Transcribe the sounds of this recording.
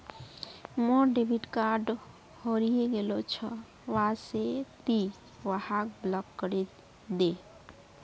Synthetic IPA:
mɔɾɖebʱiʈkaɾɖ | hoɾijeɡelot͡ʃʰɔ | waset̪i | ʋahak̚blɔkːəɾe | d̪e

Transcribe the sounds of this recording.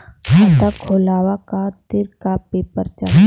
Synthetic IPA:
kɐt̪akʰoːlaːʋakat̪ɪɾkapeːpəɾt͡ʃa̰

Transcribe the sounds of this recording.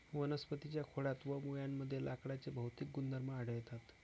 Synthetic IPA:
ʋənəspət̪it͡ɕjakʰoɽat̪ʋəmujamːəd̪ʱːjelʔakɽat͡sebʱəwt̪ik̚ɡund̪əɾməːɽ̤əʋjt̪at̪

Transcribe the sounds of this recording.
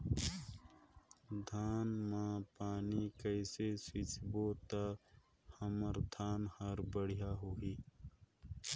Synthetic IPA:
d̪ʱaːnmãpaːnikəɪsesɪt͡ʃbot̪a | həməɾd̪ʱaːnhəɾbəɽ̤ijaɦoiː

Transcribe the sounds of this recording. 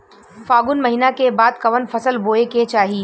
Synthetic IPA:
faːɡʊnmɐɦiːnakebaːd̪kɐʋənfɐsəlboːeket͡ʃaːɦiː

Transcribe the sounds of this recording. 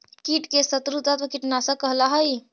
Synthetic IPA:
kiʈkesət̪ɾut̪at̪ɐkiʈnasãkəɦlaɦəj

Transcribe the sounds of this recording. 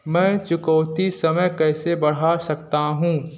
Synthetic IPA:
mɛ̃ːt͡ʃʊkɔʊt̪isɐməjkɛːsebɐɽ̤asɐkt̪aɦũː

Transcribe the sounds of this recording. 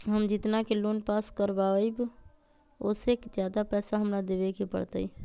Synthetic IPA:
ɦəmd͡ʒɪt̪nakelonpaskəɾbaəjb | o̰ːsekd͡ʒjad̪apɛːsaɦəmɾad̪eʋekepə̰ɽt̪əi

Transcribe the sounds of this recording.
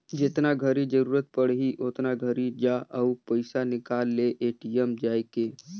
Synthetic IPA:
d͡ʒɪt̪naɡʱəɾid͡ʒəɾuːɾət̪̚pəɽɦiʔot̪naɡʱəɾid͡ʒaʔɐupəɪsanɪkaːlːeʔeːʈiəmd͡ʒaːjkeː

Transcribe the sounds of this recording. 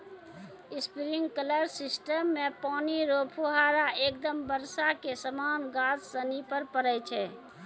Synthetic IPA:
ɪspɾiŋɡkələɾsɪsʈəmːẽpɔːniɾoːpʰuɦaːɾaeːk̚d̪əmbəɾsakesəmaːnɡaːssənipəɾpəɾət͡ʃʰɛ

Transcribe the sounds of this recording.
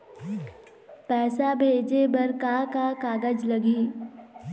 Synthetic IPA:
pɛːsabʱeːd͡ʒebɐɾkakakaːɡəd͡ʒləɡiː

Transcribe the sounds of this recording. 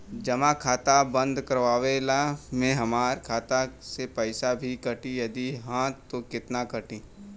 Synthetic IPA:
d͡ʒɐmãkʰaːt̪abə̃nd̪kəɾʋaːʋelamẽɦɐmaːɾkʰaːt̪asepɛɪsabʱikɐʈijɐd̪iɦãːt̪ːokɪt̪nakɐʈĩː

